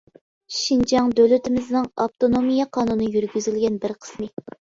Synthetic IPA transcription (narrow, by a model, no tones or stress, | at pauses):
ʃind͡ʒɑŋd̪ølɪt̪ʰɪmɪznɨŋɑp̚t̪onomijɑqʰɑːnunːjyɾɡʲyzylɡʲɛnbɪɾqʰə̥smɨ